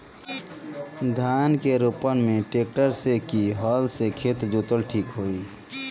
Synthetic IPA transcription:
d̪ʱaːnkeɾupənmẽʈeːk̚ʈəɾsekiɦɔːlsekʰeːt̪d͡ʒut̪əlʈʰiːkɦoːi

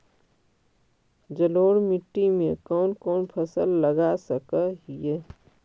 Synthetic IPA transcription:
d͡ʒəloːɽmɪʈːimẽkɔːnkɔːnpʰəsəlːəɡasəkəɦie

